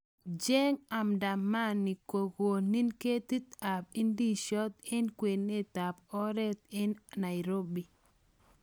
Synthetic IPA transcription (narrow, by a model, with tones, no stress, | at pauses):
d͡ʒɛ˦ŋa˨mda˨ma˦nːi˨ko˨ɡo˨ni˦nke˦t̪i˦t̪a˨pi˦ndi˦ʃɔ˦t̪̚ɛ˦nkwe˨nːe˦t̪a˨pɔ˦ɾɛ˦t̪̚ɪ˦nːa˨jɾo˦bi˨